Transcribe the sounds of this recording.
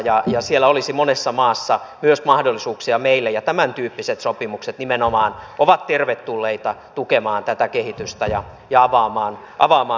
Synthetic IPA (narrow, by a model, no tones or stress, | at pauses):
jɑjɑsielːˑæolisimonesːɑmɑːsːɑmyøsmɑhdolːˑisuːksiɑmeilːejɑt̪æmænt̪yːpːiset̪sopimukset̪nimenomɑːnʔoʋɑt̪t̪erʋet̪tulːeit̪ɑt̪ukemɑːnt̪æt̪ækehit̪yst̪æjɑ | jɑɑʋɑːmɑːn | ʔɑ̰ʋɑːmɑː